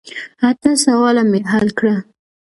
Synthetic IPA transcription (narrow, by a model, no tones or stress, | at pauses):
at̪asawɑlameɦalkɽa